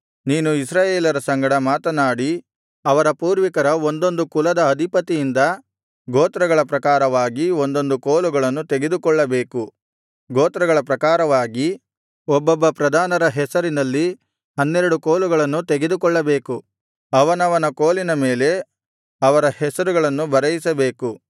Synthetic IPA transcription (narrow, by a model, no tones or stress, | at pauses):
niːnuisɾaːjeːlɐɾɐsɐŋɡɐɽɐmaːt̪ɐnaːɽi | ɐʋɐɾɐpuːɾʋikɐɾɐo̞nd̪o̞nd̪ukulɐd̪ɐːd̪ʱipɐt̪ijind̪ɐ | ɡoːt̪ɾɐɡɐɭɐpɾɐkaːɾɐʋaːɡio̞nd̪o̞nd̪ukoːluɡɐɭɐnːut̪eɡe̞d̪ukɔɭːɐbe̞ːku | ɡoːt̪ɾɐɡɐɭɐpɾɐkaːɾɐʋaːɡi | ɔbːɐbːɐpɾɐd̪ʱaːnɐɾɐɦɛsɐɾinɐlːi | ɦɐnːɛɾɐɽukoːluɡɐɭɐnːut̪eɡed̪ukɔɭːɐbe̞ːku | ɐʋɐnɐʋɐnɐkoːlinɐme̞ːle̞ | ɐʋɐɾɐhɛsɐɾuɡɐɭɐnːubɐɾɐjisɐbe̞ːku